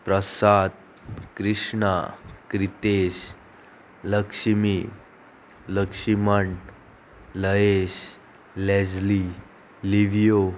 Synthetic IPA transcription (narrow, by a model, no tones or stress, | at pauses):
pɾəsad̪̚ | kɾiʂɳakɾit̪eɕ | ləkʂimi | ləkʂiməɳ | ləeɕ | lɛd͡zli | liʋijo